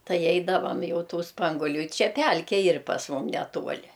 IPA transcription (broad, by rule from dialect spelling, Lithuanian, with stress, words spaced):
ˈtɐɪ ˈɛɪdɐʋɐm ˈjɛʊ ˈtuː ˈspɐŋɡuɔlʲuː ɪ ˈt͡ʃʲɛ ˈpʲælʲkʲɛ ˈiːr pɐs ˈmʊm ˈnʲæːtuɔlʲɪ